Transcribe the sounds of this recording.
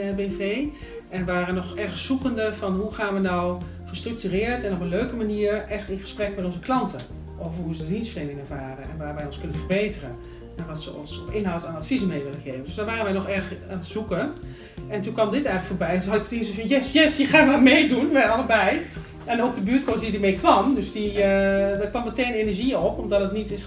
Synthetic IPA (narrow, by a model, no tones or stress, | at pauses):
beːfeː | ʔɛnʋaːrənɔxɛrxəssukəndəfɔnhuxaːnʋənaw | xəstryk̚tyrɪːəɹtɛnopənløːkəmaniːəɹɛxtɪnxə̥sprɛk̚mɛtɔnzəklɑntʰə | ʔoːvərɦuzədədinstfərdeːnɪŋɛɹvaːrənɛ̰nʋaːɹʋɛjɔnskønənfərbeːtərə | ɛnʋɔtsəɔ̰nsɪnɦɔwtaːnatfizəmeːʋɪlənxeːvəndøsdaːɹʋaːrənʋɛjnɔxɛrxanətz̥ukə | ɛntunkʋɑmdɪtɛjŋ̩ləkfoːɹbɛjɛntunɦɑdɪkətisəfinjɛsjɛsixaːmarmeːdunʋɛɑləbɛj | ɛnɔp̚dəbyətkɔsdidəmejkʋɑmdøsdi | dəkʋɑmːəteːnenəɹʒiɔpɔmdɔtdətnitɪs